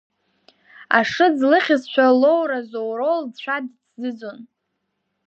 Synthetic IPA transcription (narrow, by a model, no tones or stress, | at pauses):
a̰ʂɨd͡zlɨχʲɪzt͡ʃʷʰalowɾazowɾoldt͡ɕt͡ʃʷʰadt͡sʰzɨd͡zon